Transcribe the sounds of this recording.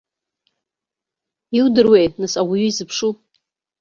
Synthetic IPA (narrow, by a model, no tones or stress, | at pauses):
iwdɨrwejtnɨsaɡʷuɥuizɨpʰʂu